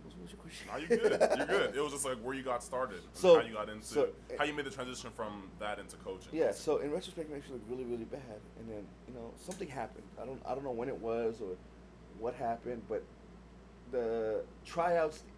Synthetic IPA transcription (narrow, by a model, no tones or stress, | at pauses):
zmosəkʰw̥ɛst͡ʃʊjəjə˞ɡʊdɪt̚wʌzd͡ʒʌstlaɪkwə˞jɨɡɑtstɑɹɾɪd̥̃soʊaʊjɨɡɑɾɪ̃ntsoʊaʊjɨmeɪd̪ðɨtʰɹ̥æ̃nzɪʃɨ̃nfɹʌ̃mðɨɾɪ̃ntʉkʰoʊt͡ʃɪ̰̃jæsoʊʔɨ̃nɹɛt͡ʃɹ̥əspɛk̚neɪsʃlʊkt̚ɹɪlˠiɹɪlˠibædɨ̃nðɨ̃njɨnoʊsʌ̃mθɪ̃ŋɦæpɨ̰̃nd̥aɪɾõʊ̃naɪɾõʊ̃nːoʊwɨ̃ñɨt̚wʌzə˞ | wʌt̚ɦæpɨ̃n̚bʌt̪̚ | ðɨtʰɹ̥aɪaʊts